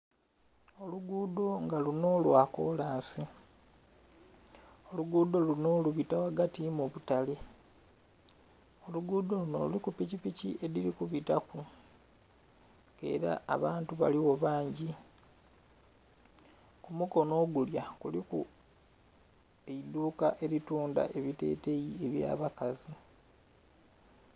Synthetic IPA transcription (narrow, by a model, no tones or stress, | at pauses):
o̞luɡuːdo̞ŋɡaluno̞lwako̞̰ːlaːnsi | o̞luɡuːd̪o̞luno̞luβitawaɡatimuβutale | o̞luɡuːd̪o̞luno̞̰lṵlikupicipiciʔe̞lilikuβitaku | e̞̰ɾa̰ːβaːntuβa̰liwo̞βaːɲɟi | kumuko̞no̞ːɡuljakuliku | eid̪uːkaʔe̞ɾituːnda̰ʔe̞βite̞̰te̞jie̞βja̰ːβakazi